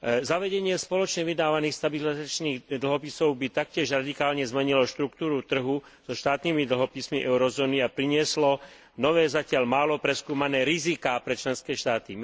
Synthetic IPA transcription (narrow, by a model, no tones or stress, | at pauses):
zaʋɛɟɛɲɪɛspɔlɔt͡ʃɲɛʋid̪aːʋaniːxst̪abilizat͡ʃniːɣd̪l̩ɦɔpisɔʊbit̪ak̚cɪɛʒɾad̪ikaːlɲɛzmɛɲilɔʃt̪ɾukt̪uːɾut̪r̩ɦu | z̥ɔʃt̪aːt̪nimid̪l̩ɦɔpismiʔɛʊɾɔzɔːniapɾiɲɪɛslɔ | nɔʋɛːzacɪaʎmaːlɔpɾɛskuːmanɛːɾizikaːpɾɛt͡ʃlɛnskɛːʃt̪aːt̪i